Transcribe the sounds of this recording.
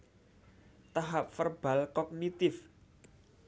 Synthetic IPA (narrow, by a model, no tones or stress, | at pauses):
t̪aɦap̚fərb̥a̤lkɔk̚nit̪ɪf